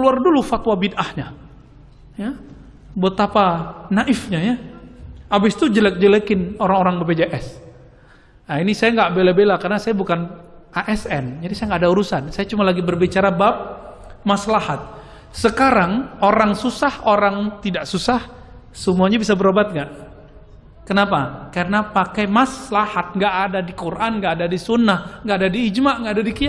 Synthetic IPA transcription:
kəluardulufat̪wabidʔahɲa | ja | buat̪apanaʔɪfɲaja | abɪst̪ud͡ʒəlɛk̚d͡ʒəlɛkɪnoɾaŋoɾaŋbəbed͡ʒaʔɛs | ainisajaŋɡaʔbelabelakarnasajabukanaʔɛsɛnd͡ʒadisajaŋɡaadauɾusansajat͡ʃumalaɡibərbit͡ʃaɾabap̚ | maslahat̪̚ | səkaɾaŋoɾaŋsusahoɾaŋt̪idaʔsusah | səmuaɲabisabəɾobat̪̚ŋɡaʔ | kənapakarənapakajmasəlahat̪̚ŋɡaʔːdadikurʔanŋɡaʔːdadisunːahŋɡaʔːdadiːd͡ʒmaʔŋɡaʔːdadikia

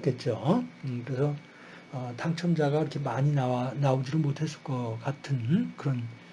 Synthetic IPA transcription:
k͈e̞t̚t͡ɕ͈okɯɾe̞sʰʌ | ʌtaŋt͡ɕʰʌmd͡ʑaɡaiɾʌkʰemaɲinanaod͡ʑinɯnmotʰe̞s͈ɯ̥ɭk͈ʌkatʰɯnkɯɾʌn

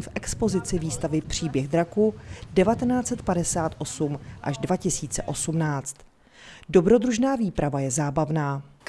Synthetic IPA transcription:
fʔɛkspo̞zɪt͡sɪviːst̪avɪpr̝̥iːbjɛɣd̪ɾakudɛvat̪ɛnaːt͡sɛt̪padɛsaːt̪ʔo̞sumʔaʒdvacɪsiːt͡sɛʔo̞sumnaːt͡st̪ | do̞bɾo̞dɾuʒnaːviːpɾʔavajɛzaːbavnaː

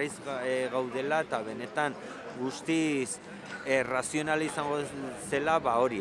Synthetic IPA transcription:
ajzɣawðe̞lae̞t̪aβ̞e̞ne̞t̪aŋ | ɡust̪is | erasio̞nalaisaŋɡose̞laβao̞ɾi

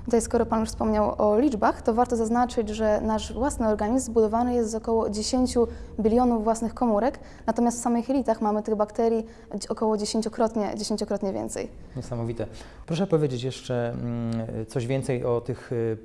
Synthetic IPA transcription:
t̪ut̪ajskɔɾɔpanuʂfspɔmɲawɔlʲid͡ʐbaxt̪ɔvaɾt̪ɔzaznat͡ʂɘd͡ʑʐɛnaʂvwasnɘɔɾɡaɲizmbud̪ɔvanɘjɛst̪zɔkɔwɔd͡ʑeɕeɲt͡ɕubʲilʲjɔnuvːwasnɘxkɔmuɾɛk | nat̪ɔmʲjast̪fsamɘxɛlʲit̪axmamɘt̪ɘɣbakt̪ɛɾʲji | ɔkɔwɔd͡ʑeɕeɲt͡ɕɔkɾɔt̪ɲɛd͡ʑeɕeɲt͡ɕɔkɾɔt̪ɲɛvʲɛ̰nt̪sɛ̰j | ɲɛsamɔvʲit̪ɛ | pɾɔʂɛpɔvʲed͡ʑet͡ɕjɛʂt͡ʂɛ | t̪sɔʑvʲjɛnt̪sɛjɔt̪ɘx

